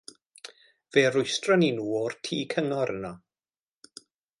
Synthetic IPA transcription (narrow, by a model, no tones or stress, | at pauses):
v̥eːrʊjstrɔninuːortʰiːkʰəŋɔɾʔənɔ